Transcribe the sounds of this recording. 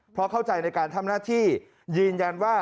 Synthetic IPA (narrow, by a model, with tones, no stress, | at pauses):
pʰɾɔ˦˥kʰa˥˩wt͡ɕa˧jna˧jkaː˧nt̪ʰa˧mnaː˥˩t̪ʰiː˥˩ | jɯː˧nja˧nwaː˥˩